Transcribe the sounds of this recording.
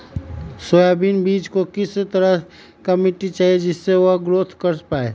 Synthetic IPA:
soːjaːbiːnbiːt͡ʃkokɪst̪əɾə | kɐmɪʈit͡ʃaːɦied͡ʒɪsːeʋoɦɡɾoːt̪ʰkəɾspaːeː

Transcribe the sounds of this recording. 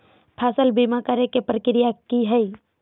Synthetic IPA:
pʰaːsəlbimakaɾekepɾəkɪɾijakiɦɛi

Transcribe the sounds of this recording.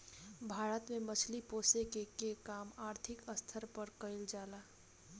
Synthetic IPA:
bʱaːɾət̪mẽmət͡ʃʰlipoːsekekekaːmaːɾt̪ʰɪkəst̪ʰəɾpəɾkəɪld͡ʒaːlaː

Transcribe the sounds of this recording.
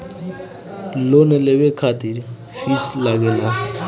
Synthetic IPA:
lonelewekʰat̪iɾ | fislaɡela

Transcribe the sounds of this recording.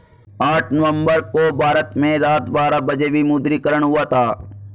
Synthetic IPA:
aːʈʰnəʋə̃mbəɾkobʱaːɾət̪mẽɾaːt̪ʋaːɾabɐd͡ʒeʋimuːd̪ɾikəɾəɽ̃ɦʊat̪ʰaː

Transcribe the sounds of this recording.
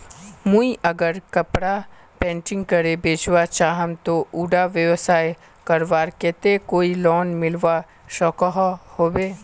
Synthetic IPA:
mũiʔɐɡəɾkɐpɽa | pɛ̃ːɳʈɪ̃ŋɡkəɾebeːt͡ʃʋat͡ʃaːɦəmt̪oʔuːɖaʋjəʋsaːj | kɐɾʋaːɾkeːt̪ekoːilɔːnmɪlʋa | ʃɔːkɔɦhoːbeː

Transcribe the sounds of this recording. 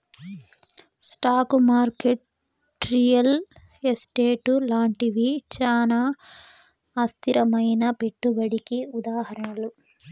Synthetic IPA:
sʈaːkmaːɾkeʈ | ɾijɐl | esʈeːʈulaːɳʈiʋit͡ʃaːna | st̪ʰiɾɐmɐjnɐpe̞ʈːubɐɽikiud̪aːhɐɾɐɳɐlu

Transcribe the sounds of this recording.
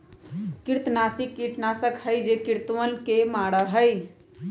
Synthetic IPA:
kiɾt̪nasikːiʈnasəkhəjd͡ʒekiɾt̪ʋənkemaɽəɦəj

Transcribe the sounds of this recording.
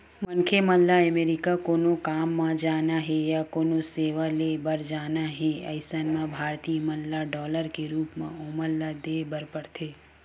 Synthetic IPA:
mɐnkʰemɐlːaəmeːɾɪkakoːnõkaːmːãd͡ʒaːnaɦɛjakoːnõseːʋalebɐɾd͡ʒaːnaɦɛ̃ɐ̰ɪsənmãbʱaːɾt̪imɐlːaɖɔːləɾkeɾuːpmã̰oːməlːad̪eːbɐɾpəɽt̪ʰeː

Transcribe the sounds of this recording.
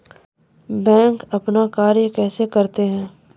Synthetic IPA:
bɛ̃ːŋkɐpnakaːɾjəkɛːsekɐɾt̪eɦɛ̃ː

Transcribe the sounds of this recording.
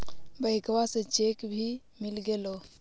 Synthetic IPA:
bəɪkʋasẽt͡ʃekbʱi | milɡelo

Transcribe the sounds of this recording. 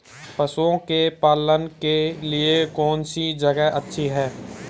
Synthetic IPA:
pəsuõkepaːlənkeliekɔːnsid͡ʒəɡəɦʔətːʃʰiɦɛː

